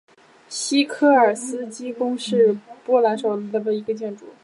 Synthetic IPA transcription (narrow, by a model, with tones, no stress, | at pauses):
ɕi˥kʰɤ˥˩ə˞˨˩sɹ̩˥t͡ɕi˥kʊ˥ŋʂɻ̩˥˩pwɔ˥la˧˥nʂo˨˩ʊld̪ə˧˩bə˩i˧˥ɡə˧t͡ɕjɛ˥˩nʈ͡ʂṵ˨˩˦